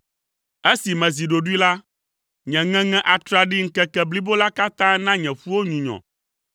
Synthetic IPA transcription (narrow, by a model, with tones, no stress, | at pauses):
e˦si˨mɛ̃˨zi˨ɖo˨ɖu˦i˦la˦ | ɲɛ̃˨ŋɛ̃˦ŋɛ̃˦ʔa˨t̪ɾa˨ɖi˦ŋ̩˦kɛ˦kɛ˦bli˦bo˦la˦ka˦t̪ã˦nã˦ɲɛ̃˨ɸu˦wo˦ɲũ˨ɲɔ̰̃˨